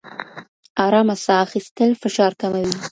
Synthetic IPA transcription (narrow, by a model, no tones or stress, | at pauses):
ɑɾɑmasɑːxist̪əlfɪʃɑɾkamawi